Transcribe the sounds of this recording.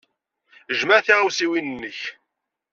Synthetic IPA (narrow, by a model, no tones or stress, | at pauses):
ʒməɾθiʁawsiwinənːəç